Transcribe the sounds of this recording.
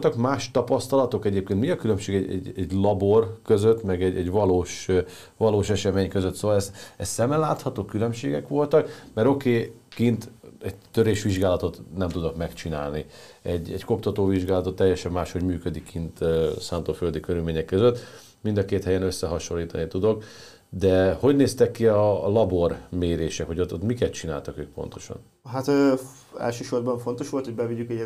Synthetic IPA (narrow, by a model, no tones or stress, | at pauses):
olt̪ɒkmaːʃt̪ɒpɒst̪ɒlɒt̪o̞kɛɟeːp̚keːnt̪miɒkylømʃeːɡɛɛ̰ɟɛɟlɒborkøzøt̪ːmɛɡɛɟɛɟʋɒloːʃ | vɒloːʃɛʃɛmeːɲkøzøt̪soːʋɒlɛsɛst̪ːsɛmːɛnlaːt̪hɒt̪oːkylø̞mʃḛːɡɛkʋo̞lt̪ɒkmɛɾo̞keːkint̪ɛɟt̪øɾeːʃʋiʒɡaːlɒt̪o̞t̪nɛmt̪ud̪okmɛkt͡ʃina̰ːlni | ɛɟːɛ̰ɟko̞pt̪ɒt̪oːviʒɡaːlɒt̪o̞t̪ːɛjːɛʃɛmːaːʃho̞ɟmyːkød̪ikːint̪øsaːnt̪oːføld̪ikøɾylmeːɲɛkːøzøt̪ː | mind̪ɒkeːt̪hɛjɛnøsːɛɦɒʃo̞lːiːt̪ɒnit̪ud̪o̞k | d̪ɛho̞ɟneːst̪ɛkːiɒlɒbo̞rmeːɾeːʃɛkho̞ɟot̪ot̪mikɛt̪t͡ʃina̰ːlt̪ɒkøːk̚po̞̰nt̪o̞̥̰ʃɒ̰n | ɦat̪ø | ɛ̰lʃøːʃo̞rbɒɱfo̞nt̪o̞ʃʋo̞lt̪hobɛviɟykɛ